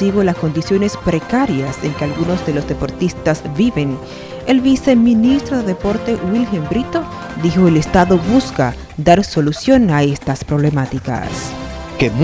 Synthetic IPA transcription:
iɣo̞lasko̞nd̪isjo̞ne̞spɾe̞kaɾjase̞ŋkealɣuno̞zd̪e̞lo̞zd̪e̞po̞ɾt̪ist̪azbiβe̞n | e̞lβise̞mĩnist̪ɾoðeðepo̞ɾt̪e̞wilxe̞mbɾit̪o̞ | ðixo̞elest̪aðo̞βuska | d̪aɾso̞lusjo̞naest̪aspɾo̞βle̞mat̪ika̰s | kem

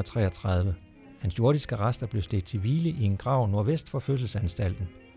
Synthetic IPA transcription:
t͡sʰʁɛ̰ːɐt͡sʰʁɑ̈ðˠʋə | hænsjo̝ɐdˠisɡ̥əʁasd̥ɐb̥le̝ʊsd̥e̝d̥̚t͡sʰe̝ʋiːləʔie̝nɡ̥ʁɑ̈ʊ̰no̝ɐʋesd̥fɒ̽føs̬l̩sænsd̥æl̰d̥n̩

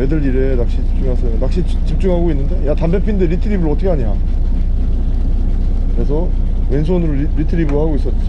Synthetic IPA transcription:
edɯɾiɾe̞nak̚ɕ͈it͡ɕip̚t͡ɕ͈uŋɦasʰʌonak̚ɕ͈i | t͡ɕip̚t͡ɕ͈uŋɦaɡoinːɯnde̞jatambepʰinndeɾitʰɯɾibɯɾɯɭʌt͈ʰʌkʰeaɲia | kɯɾe̞sʰʌ | wensʰonɯɾo | ɾitʰɯɾibɯɾohaɡois͈ʌt̚t͡ɕt͡ɕ

